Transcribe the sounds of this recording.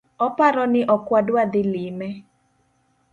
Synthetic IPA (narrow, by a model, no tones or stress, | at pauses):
ɔpaɾɔnɪʔɔkwadwad̪ɪlɪmɛ